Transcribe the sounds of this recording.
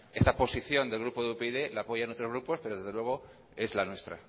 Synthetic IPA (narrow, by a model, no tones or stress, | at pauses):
e̞st̪apo̞siθjo̞nd̪elɣ̞ɾupoðeupeiðelaapo̞ʝaenot̪ɾozɣɾupo̞speɾoðe̞zðelweɣ̞o̞ | e̞zlanwe̞st̪ɾa